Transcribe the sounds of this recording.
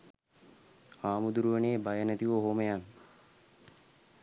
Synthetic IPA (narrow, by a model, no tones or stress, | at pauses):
aːmud̪uɾuʋəneːbajənæt̪iʋəɦoməjan